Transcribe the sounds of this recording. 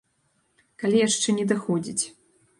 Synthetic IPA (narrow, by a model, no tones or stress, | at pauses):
kalʲijaʂt͡ʂɛnʲɛd̪ɨxɔd͡zʲit͡sʲ